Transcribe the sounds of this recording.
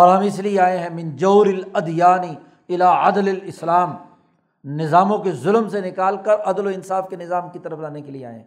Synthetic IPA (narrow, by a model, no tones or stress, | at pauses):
ɔːɾɦɐ̃mɪslieaːẽɦɛ̃mɪ̃nd͡ʒoːɾɪlɐd̪jaːni | ɪlaːɐ̰d̪lɐlɪslaːm | nɪzaːmõkezʊlmsenɪkaːlkɐɾʔɐd̪loɪnsaːfkenɪzaːmkit̪ɐɾəflaːnekeliea̰ːḛ̃ɦɛ̃